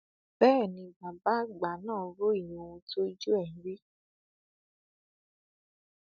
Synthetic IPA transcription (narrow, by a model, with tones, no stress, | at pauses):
bɛː˦˨nĩ˧˨ɡ͡ba˨ba˦ɡ͡ba˨˦nãː˦˨˦ɾo˦i˦˨jĩ˨˦o˧wũ˧to˦i˦d͡ʒu˦ɛ˦˨ĩ˨˦ɾe˦